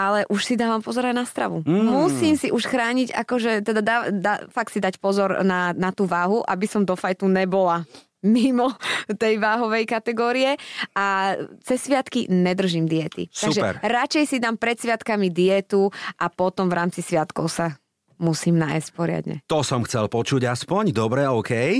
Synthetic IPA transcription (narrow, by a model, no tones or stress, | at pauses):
alɛʔuʃsid̪aːʋampɔzɔɾajnast̪ɾa̰ʋumusiːmsiʔuʃxɾaːɲiɟa̰kɔʒɛt̪ɛd̪ad̪aːd̪afak̚t̪sid̪acpɔzɔɾnanat̪uːʋaːɦuʔa̰bisɔmd̪ɔfajt̪unɛbɔla | mimɔt̪ɛjʋaːɦɔʋɛjkat̪ɛɡɔːɾiɛʔat͡sɛsːʋɪat̪kiɲɛd̪r̩ʒimd̪iɛt̪ḭst̪aɡuʒɛpɛ̰ɾɾat͡ʃɛjsid̪ampɾɛt̪sʋɪat̪kamid̪iɛt̪uʔapɔt̪ɔmvɾaːmt͡sisʋɪat̪kɔʊsa | musiːmna̰jscpɔɾɪa̰d̪ɲɛ̰t̪ɔsɔmxt͡sɛlpɔt͡ʃuɟaspɔɲd̪ɔbɾɛɔʊkʰɛj